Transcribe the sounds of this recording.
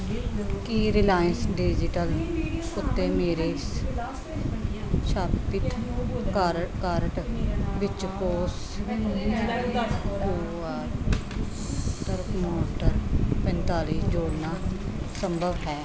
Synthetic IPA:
kiːɾɪlaːjənsɖid͡ʒɪʈəlʊt̪ːeːmeːɾeːs | ʃaːpɪt̪kːɾkaːɾʈʋɪt͡ʃkoːs | koːɾ | aːɾ | t̪əɾkmoːʈəɾpə̃nt̪aːliːsd͡ʒoːɽnaː | səmbʱəʋɦɛː

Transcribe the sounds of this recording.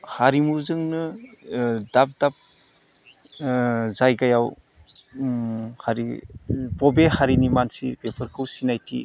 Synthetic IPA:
haɾimuzɯŋnɯ | dap̚dap̚ | zajɡajaw | haɾibɔbehaɾinimansḭbepʰɯɾkʰɯwsinajtʰḭ

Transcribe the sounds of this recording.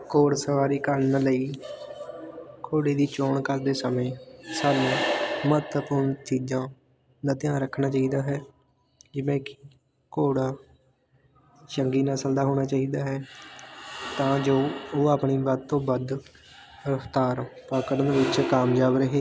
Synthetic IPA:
koːɽsəʋaːɾiːkəɾnələiː | kʰoːɽeːd̪iːt͡ʃoːɳkəɾd̪eːsəmẽːsəlːmət̪əpʊɾɳt͡ʃiːd͡ʒãː | d̪aːt̪ɪjãːɾəkʰːɳaːt͡ʃaːiːd̪aːɦɛː | d͡ʒɪʋẽːkɪ | koːɽaː | ʃəŋɡiːnãːsəld̪aːɦoːɽ̃aːt͡ʃaːiːd̪aːɦɛː | t̪ãːd͡ʒoːoːaːpɳiːbəd̪̚t̪õːbəd̪ | ɾəfʰt̪aːɾpaːkəɾnd̪eːʋɪt͡ʃkaːmd͡ʒaːʋɾəɦeː

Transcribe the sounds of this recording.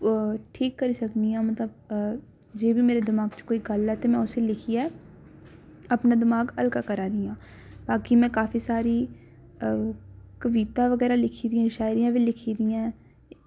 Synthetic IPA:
ʈʰiːkːəɾisəknijãːmət̪ləb | d͡ʒeːbʱimeːɾed̪ɪmaːɡt͡ʃkoːiɡəlɦɛt̪emɛ̃ːʊselɪkʰiɦɛː | ɐpnaːd̪ɪmaːɡəlkakəɾaːɾijãː | baːkimɛ̃kaːfisaːɾi | kəʋiːt̪ãːʋəɣɛːɾalɪkʰid̪iɛ̃ʃaːɪɾijãːbilɪkʰiːd̪ijãː

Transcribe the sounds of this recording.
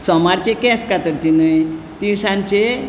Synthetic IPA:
sɔmaɾt͡ɕekɛ̃skat̪əɾt͡ɕinəj | t̪isãnt͡ɕe

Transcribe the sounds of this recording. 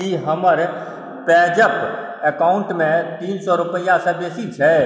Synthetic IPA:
iɦəməɾ | pɛːd͡ʒəp | ekaːʊ̃ɳʈmẽt̪iːnsɔɾʊpəjãsɐ̃beːsit͡ʃʰɛ

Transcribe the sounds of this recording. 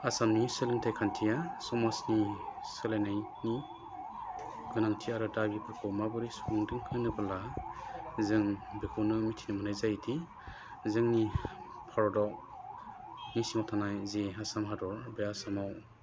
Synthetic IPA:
asamnisɯlɯŋtʰajkʰantʰijasɔmasnisɯlajnajni | ɡɯnaŋtʰiaɾɯdabibekʰɔwmabɯɾisuŋdɯŋkʰɯnɯbala | zɯŋbekʰuwnɯmitʰinɯmɯnɯjzajtʰi | zɯŋni | pʰaɾɔdɔk̚ | nisiŋawtʰanajzeasamɦadɔɾbejasamaw

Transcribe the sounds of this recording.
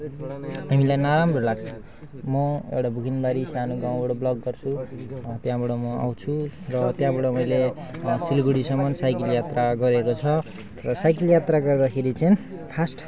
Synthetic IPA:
amilajnaɾambrʌlaɡt͡sʰʌ̥ | mʌḛwʈabʱukinbaɾisanuɡãw̃bʌɽʌblʌɡːʌrt͡sʰut̪jãbʌɽʌmʌa̰w̃t͡sʰurʌt̪jãbʌɽʌmʌjle | silɡuɽisʌmʌnsajkʌljat̪raɡʌɾekot͡sʰʌ | rʌsajkʌljat̪raɡʌrd̪akʰeɾit͡sʌĩpʰasʈ

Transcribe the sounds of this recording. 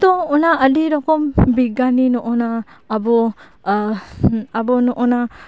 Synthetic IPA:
t̪ɔŋɔnaədiɾɔkɔmbiɡaninɔʔɔnaːbɔ | abɔnɔʔɔna

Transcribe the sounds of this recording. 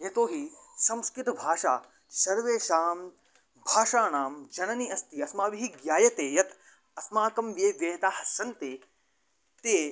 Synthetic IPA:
jɐt̪oːɦisɐ̃mskɾɪt̪ɐbʱaːʃa̰ː | sɐɾʋeːʃaːm | bʱaːʃaːnaːmd͡ʒɐnɐniɐst̪iɐsmaːʋiɦiɡjaːjɐt̪eːjɐt̪ | ɐsmaːkɐmʋjeːʋjeːt̪aːɦɐsɐnt̪eː | t̪eː

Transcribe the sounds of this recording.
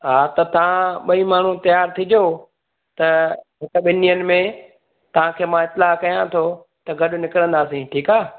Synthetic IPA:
ɦaːt̪ɐt̪ɐʋ̤ãɓɐimaːɳ̤ut̪ɐjaːɾt̪ʰid͡ʑo | t̪ɐɦɪkə̆ɓɪnijənɪ̆mẽ | t̪ɐʋ̤ãkʰeːmãɪt̪ːɪlaːkɐjãt̪ʰo | t̪ɐɡɐɗʊ̆nɪkɪɾə̃nd̪aːsĩʈʰiːkaː

